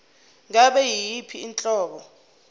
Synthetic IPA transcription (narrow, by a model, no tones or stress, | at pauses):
ŋaɓɛjijipʰiint͡ɬʼɔːɓɔ